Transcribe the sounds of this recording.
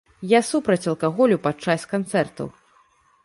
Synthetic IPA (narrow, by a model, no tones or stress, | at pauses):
jasupɾɐt͡sʲɐlˠkaɣɔlʲupat͡ʂːasʲkant̪sɛrt̪ɐ̰w